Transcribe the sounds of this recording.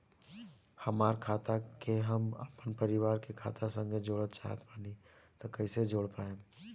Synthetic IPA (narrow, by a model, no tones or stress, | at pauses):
həmaːɾkʰaːt̪akeɦəmə̰pənpəɾɪʋaːɾkekʰa̰ːt̪asə̃ŋɡʱed͡ʒoːɽət̪̚t͡ʃa̰ːɦə̰t̪paːni | t̪okəɪsed͡ʒoːɽpaːẽ